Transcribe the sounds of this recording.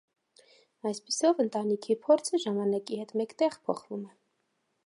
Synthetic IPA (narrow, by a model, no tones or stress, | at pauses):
ɑjspisɔvənt̪ɑnikʰipʰɔɾt͡sʰəʒɑmɑnɑkihɛt̪mɛkt̪ɛʁpʰɔ̰χvumɛ